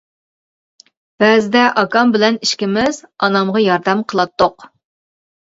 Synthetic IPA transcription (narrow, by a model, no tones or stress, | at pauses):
b̥ɛːzɪd̪ɛʔɑkɑmbɪlɛniʃkʲɪmɪzɑnɑmʁɑjɑɾd̪ɛmqʰəlˠɑt̪ːoq